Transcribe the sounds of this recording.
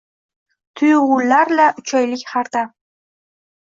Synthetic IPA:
t̪ʰujʁulːaɾlaʊt͡ʃʰɒjlɪkʲχaɾt̪a

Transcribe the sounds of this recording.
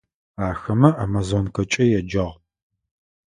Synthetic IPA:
aːxɐmɐʔamazonkʷʰɐt͡ʃʼɐjɛd͡ʒɐʁ

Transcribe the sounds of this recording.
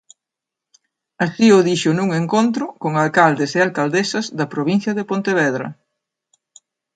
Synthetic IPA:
ɐsiʊðiʃʊnuŋeŋkont̪ɾʊkoŋalkald̪esealkald̪esɐzðɐpɾoβ̞in̟θjɐðepont̪eβ̞ɛðɾɐ̰

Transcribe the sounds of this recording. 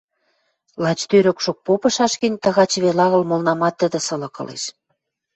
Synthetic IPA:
lɑt͡ɕt̪øɾø̆kʃok̚popɤ̆ʃɑʃkinʲt̪ɑɣɑt͡ɕβelɑɣə̆lmolnɑmɑt̪ːə̆d̪ə̆sɤ̆lɤ̆kɤ̰̆lḛʃ

